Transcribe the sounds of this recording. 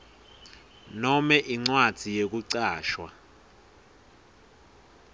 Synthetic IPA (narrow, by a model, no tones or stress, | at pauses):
nɔmɛʔiŋ͡ǀwad̥ʱijek̬uǀaːʃwa̰